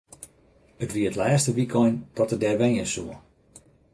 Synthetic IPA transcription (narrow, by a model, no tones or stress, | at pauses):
ətʋiəətlɛːstəʋikʰɔjnd̥ɔtədɛʋɛjəsuə